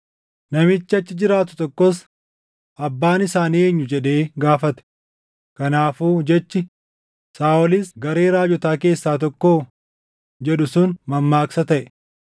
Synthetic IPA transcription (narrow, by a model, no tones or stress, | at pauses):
nɐmɪt͡ʃːɐt͡ʃːɪd͡ʒɪɾaːt̪ʊ̥t̪ɔkːɔs | ʔɐbːaːnɪsaːniːeːɲːʊd͡ʒɛᶑe̞ːɡaːfɐt̪ɛ̥ | kɐnaːfuːd͡ʒɛt͡ʃːɪ | saːɔlɪsɡɐɾe̞ːɾaːd͡ʒɔt̪aːke̞ːsːaːt̪̬ɔkːoː | d͡ʒɛɗʊsʊnmɐmːaːksɐt̪ɐʔɛ̥